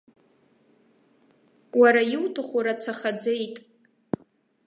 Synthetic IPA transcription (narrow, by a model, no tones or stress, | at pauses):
waɾajɪwtʰaχʷuɾat͡sʷʰaχad͡zejtʼ